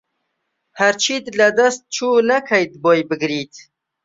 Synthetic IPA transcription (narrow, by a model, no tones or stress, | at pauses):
haɾt͡ʃʰiːd̪lad̪ast̪̚t͡ʃʰuːnakʰajd̪̚boːjbɨɡɾiːt̪